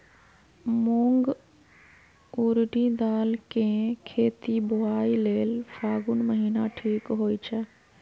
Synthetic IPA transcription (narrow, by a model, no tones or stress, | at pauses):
muŋɡ | uɾɖid̪aːlkẽkʰeːt̪ibʊaːileːlfʰaːɡunməɦiːnaʈʰiːkɦoːit͡ʃʰə